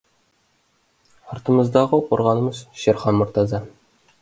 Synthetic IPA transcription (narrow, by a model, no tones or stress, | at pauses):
ɑɾt̪ə̆məzd̪ɑʁəqoɾʁɑnɤ̆məzʃeɾχɑnmʊɾt̪ɑzɑ